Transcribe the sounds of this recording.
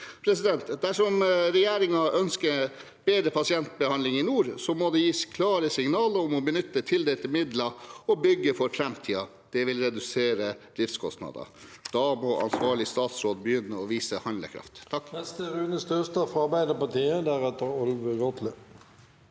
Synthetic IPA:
pʰɾɛsɪd̪ɛnt̪d̪æʂɔmɾɛjeːɾɪŋɑʔœnskəɾ | beːd̪ɾəpʰɑsɪɛnt̪̚bəhɑnlɪŋɪnuːɾsɔmɔd̪ɛjiːskʰlɑːɾəsɪŋnɑːləɾɔmɔbənʏt̪ːət̪ʰɪld̪eːlt̪ɪmɪd̪lɑɔbʏɡːəfɔɾfɾɛmt̪ʰiːɑ | d̪̥ɛʋɪlɾɛd̪ʉseːɾəd̪ɾɪft̪skʰɔst̪nɑ̰ːd̪ɑ̰d̪̥ɑmɔʔɑ̰nsʋɑːɭɪst̪ɑːt̪sɾoːd̪bəjʏnːəɔʋiːsəhɑnlə̰kʰɾɑ̰ft̪ːɑkːnɛst̪əʁʉːnəst̪øst̪ɑfɑbæɪd̪əpɑt̪iːəd̪æʁɛt̪ːəɾɔlʋəɡɔt̪lə

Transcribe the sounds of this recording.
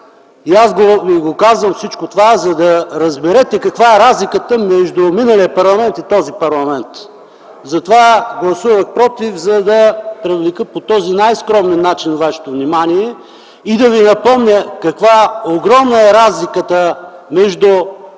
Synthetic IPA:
iazɡoviɡokazvɐmfsit͡ʃkot̪ovazɐd̪ɐɾɐzbɛɾɛt̪ɛkɐkvaɛɾazlikət̪əmɛʒd̪ʊminəliəpɐɾlˠɐmɛnt̪it̪ɔzipɐɾlˠɐmɛnt̪ | zɐt̪ovaɡlˠɐsuvəxpɾɔt̪ifzɐd̪ɐpɾɛvlikəpot̪ɔzinajskɾɔmɛnːat͡ʃinvvaʃɛ̥t̪ovnimaniɛ | id̪ɐvinɐpɔmnʲəkɐkvaoɡɾɔmnəɛɾazlikət̪əmɛʒd̪ʊ

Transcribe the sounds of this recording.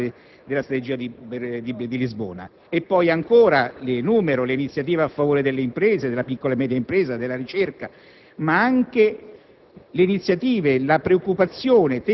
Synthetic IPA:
d̪elast̪ɾat̪ed͡ʒiːad̪ibd̪id̪ilizbo̰ːna̰ | epːɔjaŋkoːɾalɪnuːmeɾoleinit̪sːjat̪iːveafːavoːɾed̪elːeimpɾeːzed̪elːapikːolamɛːd̪jaimpɾɛːzad̪elːaɾit͡ʃerka | maaŋke | leinit̪sːjat̪iːvelapɾeokːupat̪sːjoːnet̪

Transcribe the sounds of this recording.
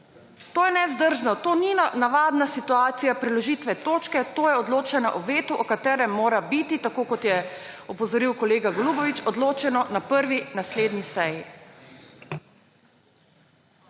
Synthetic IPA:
t̪oːjɛnɛzd̪əɾʒnɔt̪oːninnaʋaːd̪nasit̪uaːt̪sijapɾilɔʒit̪ʋɛt̪oːt͡ʃkɛt̪oːjɛɔd̪loːt͡ʃɛnɔ̰ʔɔʋeːt̪uʔɔkat̪ɛːɾɛmːoːɾabit̪it̪akoːkɔt̪jɛɔpɔzɔɾiwkɔleːɡaɡlubɔʋit͡ʃɔd̪loːt͡ʃɛnɔnapəɾʋinasleːd̪nisɛji

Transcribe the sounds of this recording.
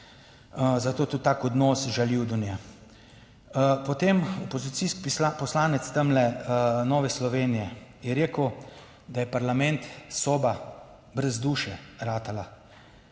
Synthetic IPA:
zat̪oːt̪ut̪t̪ːaːkɔd̪nɔːsʒaliwd̪unja | pɔt̪emɔpɔzit̪siskipapɔslaːnɛt̪st̪əmlɛnɔːʋɛslɔʋeːnijɛjɛɾeːkəw | d̪ajɛpaɾlamɛnt̪soːba | bɾɛzd̪uːʃɛɾaːt̪ala

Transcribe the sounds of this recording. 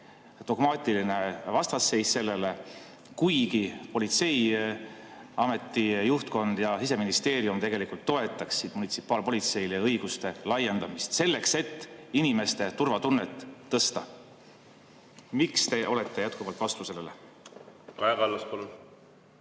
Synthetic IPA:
d̪̥o̞ɡ̥mɑːt̪ʲˑiline̞vɑst̪ɑsːe̞jsse̞lːe̞le̞ | kujɡipo̞lit̪se̞j | ɑme̞t̪ːˑijuht̪ko̞nd̪̥jɑsise̞minist̪e̞ːɾiumt̪e̞ɡe̞likult̪ːo̞e̞t̪ːˑɑksid̪munit̪si̥pːˑɑːlpo̞lʲit̪se̞jleɤjɡ̥ust̪e̞lɑje̞nd̪̥ɑmist̪se̞lːe̞kse̞t̪ːinime̞st̪e̞t̪urvɑt̪unːet̪ːɤst̪ɑ | mikst̪e̞ʔo̞le̞t̪ːe̞jæt̪̚kuvɑlt̪vɑst̪use̞lːelḛ | kɑjɑɡɑlːɑspɑlun

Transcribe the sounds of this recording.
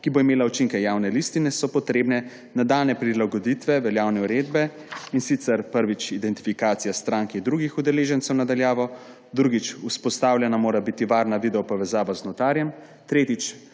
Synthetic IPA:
kiboimeːlaut͡ʃiŋkɛjaːwnɛlist̪inɛsɔpɔt̪ɾeːbnɛ | nad̪aːlnɛpɾilaɡɔd̪it̪ʋɛʋɛljaːwnɛuɾeːd̪bɛ | insit̪sɛɾpəɾʋit͡ʃid̪ɛnt̪i̥fikaːt̪sijast̪ɾaŋkind̪ɾuɡixud̪ɛleːʒɛnt̪sɛwnad̪aljaːʋɔ | d̪ɾuɡit͡ʃuspɔst̪aːwlʲjɛnamoːɾabit̪iʋaːɾnaʋid̪ɛɔpɔʋɛzaːʋaznɔt̪aːɾjɛm | t̪ɾeːt̪it͡ʃ

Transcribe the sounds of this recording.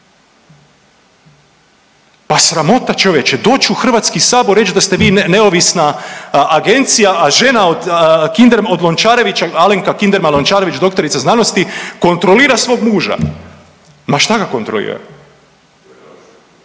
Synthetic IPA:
pasɾamo̞t̪at͡ʃoʋjet͡ʃed̪o̞ːt͡ɕuxr̩ʋat̪skisaːboɾːe̞t͡ʃd̪ast̪eʋiːne̞o̞ʋisnaː | ɡe̞nt̪sijaʔaʒe̞naod̪kind̪eɾmod̪lo̞nt͡ʃaːɾe̞ʋit͡ʃaaleŋkakind̪eɾmalont͡ʃaːɾeʋit͡ʃd̪o̞kt̪o̞ɾit̪saznano̞st̪iko̞nt̪ɾo̞liːɾasʋo̞ːɡmuːʒa̰ | maʃt̪aɡako̞nt̪ɾo̞lḭːɾ̰a̰

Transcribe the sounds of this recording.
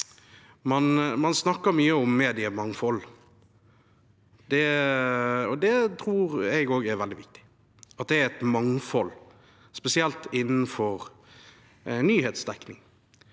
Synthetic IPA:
mɑnmɑnsnɑkːəɾmyːəɔmːeːd̪ɪəmɑŋfɔl | d̪̥ɛ | ɔd̪ɛt̪ʰɾuːɾɛɡoːɡɛɾʋɛldɪʋɪk̚t̪ɪ̥ | ɑt̪̚d̪ɛæɾɛt̪mɑŋfɔl | spɛsɪɛlt̪ɪnːn̩fɔɾ | nyːhɛːt̪sd̪ɛknɪŋ

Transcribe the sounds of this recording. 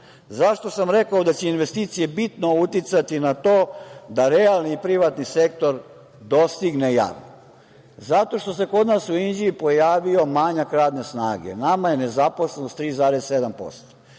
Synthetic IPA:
zaʃt̪o̞samɾe̞kaod̪at͡ɕeinʋe̞st̪iːt̪sije̞bit̪no̞ut̪it̪sat̪inat̪oːd̪aɾealniːpɾiʋat̪nisek̚t̪o̞ɾ | d̪o̞st̪iɡneja̰ːʋno | zat̪o̞ʃt̪o̞se̞ko̞d̪nasuind͡ʑiipo̞jaːʋio̞maɲakɾaːd̪ne̞snaːɡḛnamaje̞ne̞zaposlˠenost̪ɾiːzaːɾesːe̞d̪ampo̞̰st̪o̥

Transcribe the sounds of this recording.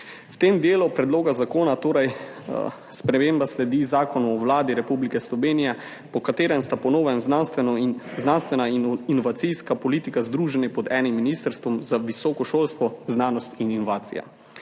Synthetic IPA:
wt̪eːmd̪eːlupɾɛd̪loːɡazakoːnat̪oːɾaj | spɾɛmeːmbaslɛd̪izaːkɔnɔwlaːd̪iɾɛpublikɛslɔʋeːnijɛ | pɔkat̪eːɾɛmst̪apɔnoːʋɛmznanst̪ʋɛnɔznanst̪ʋɛnainɔʋat̪sijskapɔliːt̪ikazd̪ɾuːʒɛnɛpɔd̪ɛːnimːinist̪əɾst̪ʋɔmzaʋisɔːkɔʃoːlst̪ʋɔznaːnɔst̪ininɔʋaːt̪sḭja̰

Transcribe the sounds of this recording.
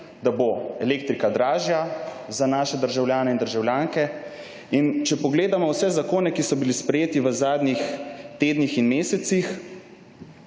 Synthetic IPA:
d̪aboɛleːk̚t̪ɾikad̪ɾaːʒja | zanaːʃɛd̪əɾʒawljaːnɛind̪əɾʒawljaːŋkɛ | int͡ʃɛpɔɡleːd̪amɔwsɛzakoːnɛkisɔbilispɾɛjeːt̪iʋəzaːd̪nixt̪eːd̪nixinmeːsɛt̪six

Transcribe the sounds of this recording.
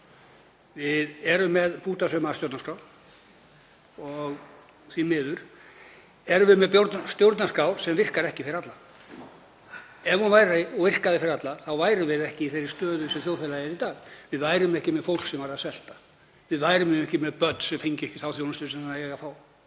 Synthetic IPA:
vɪðɛɾʏmːɛðpuːt̪asœmasjowɾt̪naskaːw̪ | ɔɣ | θimɪːðʏɾ̥ | ɛɾvɪmɛðpjowɾt̪nast̪jowɾt̪naskawsɛmvɪr̥kaɾɛhcɪ̥fɪɾɪɾat̪la | ɛvɔnvaːjɾaɔɣvɪr̥kaðɪfɪɾɪɾat̪laθawvaːjɾʏvɪðɛhcɪiθejɾɪ̥st̪œːðʏsɛθjowlfɛlajɪɾit̪aːɣvɪðvaːjɾʏmɛhcɪmɛðfowl̥ksɛmvaɾaðsɛl̥t̪ḁ | vɪðvaːjɾʏmɪɛhcɪmɛðpœt̪nsɛmfiɲcɪɛhcɪ̥θawθjownast̪ʏsɛmaɛɣafaːw

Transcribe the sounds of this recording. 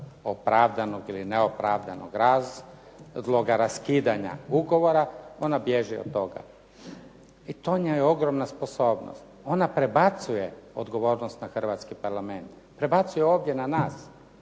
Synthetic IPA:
opɾaʋd̪anoɡilineopɾaʋd̪ano̰ɡɾaz | zlˠoɡaɾaskiːd̪aɲa̰uɡo̞ʋoɾao̞nabjeʒɛo̰o̞ɡa̰ | it̪o̞ɲajeo̞ɡɾomnaspo̞so̞ːbno̰st̪o̞napɾebat̪sujeo̰d̪ɡo̞ʋo̞ːɾnost̪naxr̩ʋat̪skipaɾlame̞nt̪ | pɾe̞bat̪sujeo̞ːʋd̪jenanaːs

